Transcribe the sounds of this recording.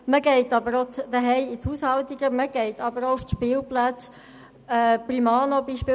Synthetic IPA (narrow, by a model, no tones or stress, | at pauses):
məɡɛɪtɑbəɾod̥̪əɦɛɪɪthuːshɑlt̪iɡəməɡ̥ɛɪtɑbəɾoʊftʃpɪːlplæt͡s | ɛprimɑːnobiːʃpɪː